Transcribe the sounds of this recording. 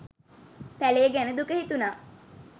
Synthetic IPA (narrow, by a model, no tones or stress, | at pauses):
pæleːɡænəd̪ukəhit̪unaː